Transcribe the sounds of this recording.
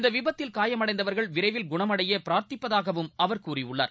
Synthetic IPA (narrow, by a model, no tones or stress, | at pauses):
ɪnd̪ɐʋɪbɐt̪ːɪlkaːjɐmɐɽɐɪnd̪ɐʋɐɾɣɐɭʋɪɾɐɪʋɪlɡʊɳɐmɐɽɐjɐpɪɾaːɾt̪ɪpːɐðaːɣɐʋɯmɐʋɐɾkuːriʊɭːa̰ːɾ